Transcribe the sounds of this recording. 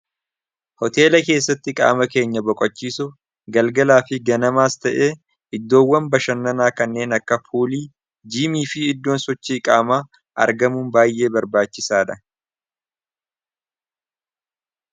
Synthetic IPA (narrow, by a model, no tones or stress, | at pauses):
hɔt̪e̞ːlɐke̞ːsːɐt̪ːɪkʼa̰ːmɐke̞ːɲːɐbɔkʼɔt͡ʃːiːsʊ | ɡɐlɡɐlaːfɪɡɐnɐmaːst̪ɐʔe̞ː | ʔɪd̪ːo̞ːwːɐmbɐʃɐnːɐnaːkɐnːe̞ːnɐkːɐfuːliː | d͡ʒiːmiːfɪːd̪ːo̞ːnsɔt͡ʃːiːkʼaːmaː | ʔɐ̰ɾɡɐmunbaːjʔe̞ːbɐɾbaːt͡ʃːɪsaːᶑɐ